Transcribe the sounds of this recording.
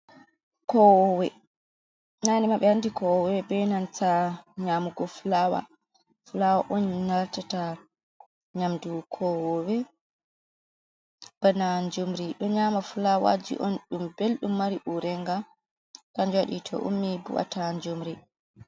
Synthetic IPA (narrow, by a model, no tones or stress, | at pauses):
kɔwɔwɛ | nanimaɓɛhandikɔwɔwɛbɛnantaɲamuɡɔfulawa̰ | fulawaʔɔnnaltata | ɲamdukʰɔwɔwɛ | b̥anaɲd͡ʒumɾiɗɔɲaːmafulawa̰d͡ʒḭʔɔnɗumbelɗumːaɾiʔuɾɛŋɡa | kaɲd͡ʒwaɗḭtʰɔ̰ʔṵmːibṵʔa̰taɲd͡ʒumɾi